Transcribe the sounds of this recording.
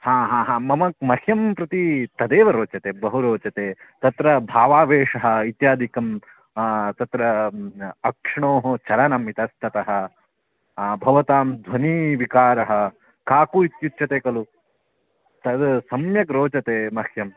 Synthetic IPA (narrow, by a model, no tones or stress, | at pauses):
hãːɦãːɦãːmɐmɐk̚mɐhjɐmpɾɐt̪it̪ɐd̪eːʋɐɾoːt͡ʃɐt̪eːbɐɦuɾoːt͡ʃɐt̪eːt̪ɐt̪ɾɐbʱaːʋaːʋeːʂɐɦɐ̆it̪jaːd̪ʱikɐm | t̪ɐt̪ɾɐ | ɐkʂɐɳoːɦɐt͡ʃɐɾɐnɐmit̪ɐst̪ʰɐt̪ɐɦɐ̆ | bʱɐʋɐt̪aːmd̪ʱwɐniʋikaːɾɐɦɐ̆ | kaːkuit̪jut̪ːt͡ʃʰɐt̪eːkɐlu | t̪ɐd̪sɐmjɐkɾoːt͡ʃɐt̪eːmɐhʰjɐm